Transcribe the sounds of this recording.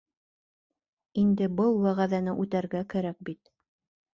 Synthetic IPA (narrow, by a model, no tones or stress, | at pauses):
ind̪ɘbɤlˠwæʁæðænɘʔʉt̪æɾɡækæɾæk̚bit̪̚